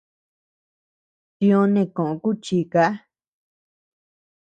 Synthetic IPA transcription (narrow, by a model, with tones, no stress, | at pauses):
t͡ʃĩ˧õ˧nẽ˧˨kõ˨ʔõ˧ku˦t͡ʃiː˧˨ka˦a˦